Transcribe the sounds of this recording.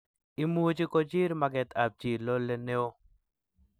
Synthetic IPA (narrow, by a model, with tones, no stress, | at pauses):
i˨mu˦d͡ʒi˦ko˦d͡ʒi˦ɾma˨ɡɛ˨t̪ʰa˨p̚d͡ʒi˨lo˦le˦ne˦o˦